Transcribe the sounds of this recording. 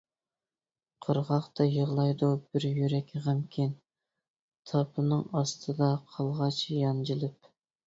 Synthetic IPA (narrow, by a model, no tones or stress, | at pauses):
qʰəɾʁɑχt̪ʰɑjəʁlˠɑjd̪ub̥ɪɾjyɾɛkʲʰʁɑmkʲʰin | t̪ʰɑpʰɨnɨŋɑst̪ʰɨd̪ɑqʰɑlˠʁɑt͡ʃʰjɑnd͡ʒilˠɪp̚